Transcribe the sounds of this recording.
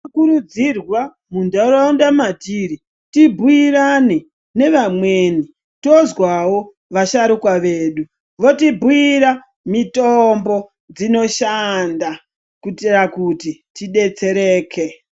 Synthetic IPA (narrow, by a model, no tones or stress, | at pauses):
kuɾud͡zirwa | mundaɾandamatiːɾi | tibʱuirane | ne̞ʋamweːni | to̞zwawo̞ | ʋaʃaɾukwaʋe̞ːɗu | ʋo̞tibʱuiɾa | mitombo̞ | d͡zino̞ʃanda | kutirakutitiɗe̞t͡se̞ɾeːkʰe